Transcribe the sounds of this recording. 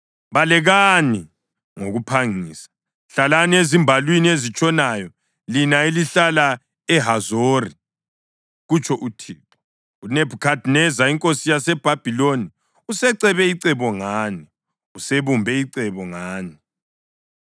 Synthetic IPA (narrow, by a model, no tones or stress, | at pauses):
βalɛɣani | ŋoɣupʰaŋiːsḁ | ɬalaniezimbʱalwiniezit͡ʃʼɔnajɔ | linaeliɬala | ɛɦazoːri | ɣut͡ʃʰʼɔʔutʰiːtʰɔ̥ | unebʱukʰadʱnɛzaiŋkʼosijasɛb̥ʱab̥ʱiloni | usɛǀɛβɛiǀɛβɔŋaːni | useβumbʱɛiǀɛβɔŋaːni